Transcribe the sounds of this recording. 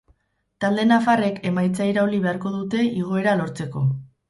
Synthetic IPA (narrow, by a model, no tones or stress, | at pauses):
t̪ald̪e̞nafare̞kʰe̞majt͡sajɾaoliβe̞aɾko̞ðut̪e̞iɣ̞o̞e̞ɾalo̞ɾt͡se̞ko̞